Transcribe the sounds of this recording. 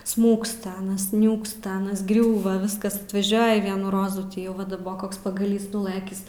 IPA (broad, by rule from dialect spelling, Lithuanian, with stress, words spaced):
ˈsmuːkstɐ ˈɑːnɐs ˈnʲuːkstɐ ˈɑːnɐs ˈɡrʲuːʋɐ ˈʋʲɪskɐs ɐtʋɐˈʒʲuɔjɪ ˈʋʲiɛnuː ˈroːzuː ˈtʲiː jɛʊ ˈʋɐ dɐˈboːk ˈkoːks pɐɡɐˈlʲiːs nʊˈlˠɘkʲɪs